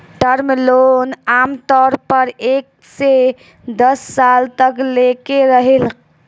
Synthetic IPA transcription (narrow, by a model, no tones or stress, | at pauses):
ʈəɾmelonamt̪ɔɾpəɾek̚ | se | d̪əsːalt̪əklekeɾəɦel